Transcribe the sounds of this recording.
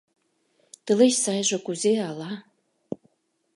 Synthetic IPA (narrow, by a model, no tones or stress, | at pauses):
t̪ə̆leɕsɑjʒŏkuzeɑlɑ